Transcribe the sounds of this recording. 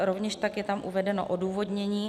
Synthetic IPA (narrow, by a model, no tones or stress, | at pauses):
ɾovɲɛʃt̪akjɛt̪amʔṵvɛdɛno̰ʔoduːvo̞dɲɛɲiː